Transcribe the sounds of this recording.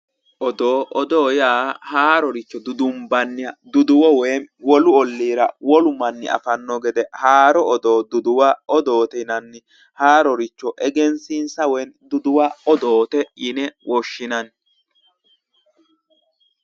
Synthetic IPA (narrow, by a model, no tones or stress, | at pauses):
ʔɔd̪oːʔɔd̪oːjaːhaːɾɔɾɪt͡ʃːɔd̪ʊd̪ʊmbɐnːɪjɐd̪ʊd̪ʊwɔweːnwɔlʊɔlːiːɾɐwɔlʊmɐnːɪ̰ɐ̰fɐnːɔɡɛd̪ɛhaːɾɔːd̪oːd̪ʊd̪ʊwaɔd̪o̞ːt̪ɛnɐnːɪ | haːɾɔɾɪt͡ʃːɔʔɛɡɛnsinsɐwɛjnd̪ʊd̪ʊwaɔd̪oːt̪ɛɪnɛwɔʃːɪnɐn